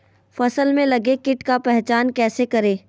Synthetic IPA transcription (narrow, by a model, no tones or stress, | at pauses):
fɐsəlmẽlɐɡekɪʈkapɛɦt͡ʃaːnkɛːsekɐɾeː